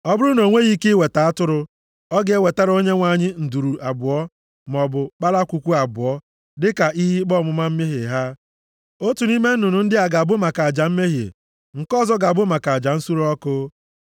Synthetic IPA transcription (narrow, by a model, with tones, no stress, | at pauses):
ɔ˦bʊ˦ɾʊ˦no˨ŋʷe˦ɣi˦ke˦we˨ta˨a˦tʊ˦ɾʊ˦ | ɔ˦ɡe˦we˨ta˦ɾo˦ɲe˦ŋʷa˨ɲɪ˦n̩˨du˨ɾu˨ʔa˨bʊ˨ɔ˦ | m˨ɔ˨bʊ˨k͡pa˦la˦kʷu˨kʷu˦a˨bʊ˨ɔ˦ | dɪ˦ka˨ʔi˦ɦi˦k͡pɔ˦˨mʊ˨ma˦m̩˦me˦ɦe˨ɦa˦ | o˦tu˨ni˦me˦n̩˦nʊ˨nʊ˨n̩˦dɪ˦a˨ɡa˨bʊ˦ma˨ka˨d͡ʒa˨m̩˦me˦ɦḛ˨ | ŋ̩˨kɔ˦zɔ˦ɡa˨bʊ˦ma˨ka˨a˨d͡ʒa˨n̩˦su˦ɾɔ˦kʊ˦